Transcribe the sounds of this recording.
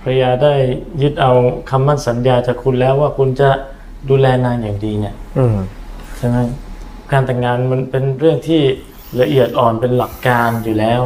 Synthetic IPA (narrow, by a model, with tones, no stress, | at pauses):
pʰɾjjaː˧daː˥˩jːɯ˦˥t̪̚ʔa˧wkʰa˧mːa˥˩nsa˩˨˦njaː˧t͡ɕaː˨˩kʰu˧nlɛː˦˥waː˥˩kʰu˧nt͡ɕa˨˩ | duː˧lɛː˧naː˧njaː˨˩ŋdiː˧ni˦˥˩ə | t͡ɕʰa˧na˦˥ | kaː˧nt̪ɛ˨˩ŋːaː˧nma˧npe˧nɾɯ˥˩əŋt̪ʰiː˥˩ | ɾa˧ʔi˨˩ət̪̚ʔɔː˨˩npe˧nla˨˩kːaː˧njuː˨˩lɛː˦˥w